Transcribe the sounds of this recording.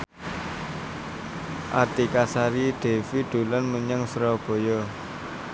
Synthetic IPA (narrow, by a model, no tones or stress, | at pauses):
ʔat̪ikasaɾid̪̥e̤fid̪̥ṳlanməɲəŋsɾɔb̥o̤jɔ